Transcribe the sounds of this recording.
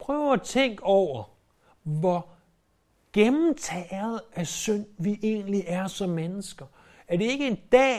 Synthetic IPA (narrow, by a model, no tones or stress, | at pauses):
pʰʁœːʊɐæt͡sʰeŋ̰ɡ̥ɒʊ̰ɐ | ʋɒ | ɡ̥emm̩t͡sʰɛð̞̩ˠʔæsœn̰ʋiʔe̝̰ːnliʔæɐsɒ̽mːenəsɡ̥ɐ | æɐd̥e̝e̝ɡ̥əe̝nd̥ɛ̰ː